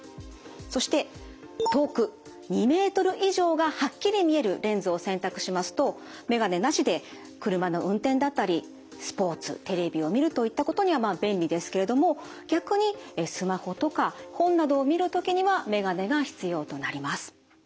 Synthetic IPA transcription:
so̞ɕi̥t̪e̞ | t̪o̞ːkɯ̟ | ɲ̟ime̞ːt̪o̞ɾɯ̟ʔiʑo̞ːɡahakʲːiɾʲimʲie̞ɾɯ̟ɾẽ̞nzɨoːsẽ̞nt̪akɯ̟̥ɕimasɨ̥t̪o̞ | me̞ɡane̞naɕid̪e̞ | kɯ̟ɾɯ̟mano̞ʔɯ̟̃nt̪ẽ̞nd̪at̪ːaɾʲi | sɨ̥po̞ːt͡sɨ̰t̪e̞ɾe̞bʲio̞mʲiɾɯ̟t̪o̞it̪ːako̞t̪o̞ɲ̟iβamaːbẽ̞mʲbʲid̪e̞sɨ̥ke̞ɾe̞d̪o̞mo̞ | ɡ̥ʲakɯ̟ɲ̟isɨmaho̞t̪o̞kahõ̞nːad̪o̞ːmʲiɾɯ̟t̪o̞kʲiɲ̟iβame̞ɡane̞ɡaçi̥t͡sɨjo̞ːt̪o̞naɾʲimasɨ̥

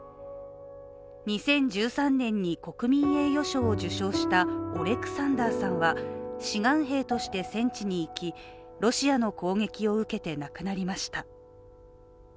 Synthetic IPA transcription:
ɲ̟isẽ̞ɲ̟d͡ʑɨːsãnːẽ̞ɲ̟ːiko̞kɯ̟mʲĩɰe̞ːjo̞ɕo̞ːd͡ʑɨɕo̞ːɕi̥t̪aoɾe̞kɯ̟̥sãnd̪aːsãɰ̃βaɕiɡãɰ̃ɦe̞ːt̪o̞ɕi̥t̪e̞sẽ̞ɲt͡ɕiɲ̟iːkʲi | ɾo̞ɕiano̞ko̞ːŋe̞kʲio̞ɯ̟ke̞t̪e̞nakɯ̟naɾʲimaɕi̥t̪a

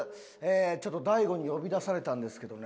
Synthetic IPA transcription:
eːt͡ɕo̞t̪ːo̞d̪aiɡo̞ɲ̟ijo̞bʲid̪asaɾe̞t̪ãnd̪e̞sɨ̥ke̞d̪o̞n

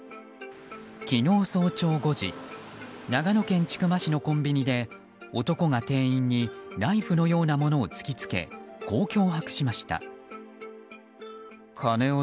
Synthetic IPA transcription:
kʲino̞ːso̞ːt͡ɕo̞ːɡo̞ʑḭ | naɡano̞kẽ̞ɲ̟t͡ɕi̥kɯ̟maɕino̞kõ̞mbʲiɲ̟id̪e̞ | ot̪o̞ko̞ŋat̪e̞ːĩɲ̟ːinaiɸɯ̟no̞jo̞ːnamo̞no̞ːt͡sɨ̥kʲit͡sɨ̥ke̞̰ɡ̥o̞ːkʲo̞ːɦakɯ̟̥ɕimaɕi̥t̪a̰ | kʰane̞o

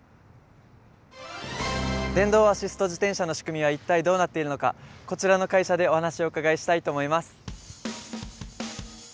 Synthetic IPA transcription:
d̪ẽ̞nd̪o̞ːaɕisɨ̥t̪o̞ʑit̪ẽ̞ɰ̃ɕano̞ɕi̥kɯ̟mʲiβ̞ait̪ːaid̪o̞ːnat̪ːe̞iɾɯ̟no̞ka̰ko̞t͡ɕiɾano̞kaiɕad̪e̞o̞hanaɕio̞ɯ̟kaɡaeɕi̥t̪ait̪o̞ːmo̞imasɨ̥

